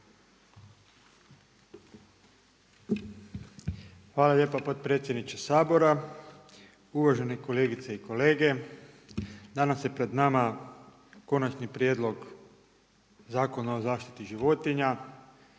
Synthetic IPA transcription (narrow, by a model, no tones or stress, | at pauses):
xʋaːlalʎe̞ːpapo̞t̪̚pɾet̪sjed̪nit͡ʃesaːbo̞ɾa | uʋaʒe̞neko̞le̞ːɡit̪seiko̞le̞ːɡe̞ | d̪anasje̞pɾe̞d̪nama | ko̞nat͡ʃnipɾjed̪lo̞ɡ | zaːko̞naozaːʃt̪i̥t̪iʒiʋo̞t̪iɲa